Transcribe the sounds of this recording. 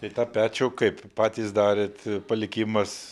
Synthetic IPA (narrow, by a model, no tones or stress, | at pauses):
t̪ɐɪt̪ɑːpʲæːt͡ʃʲoːkɐɪppɑːt̪ʲiːsd̪ɑːɾʲeːt̪pɐlʲɪkʲɪmɐs